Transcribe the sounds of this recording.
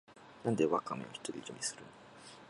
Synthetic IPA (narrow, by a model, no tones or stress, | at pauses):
nãnd̪eβakːameoçi̥t̪oɾʲid͡ʑomʲisɨɾɯ̰n